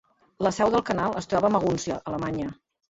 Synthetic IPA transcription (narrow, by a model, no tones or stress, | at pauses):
ləsɛwðəlˠkənalˠəst̪ɾɔβəːməɣ̞unsjə̰ʔələmaɲə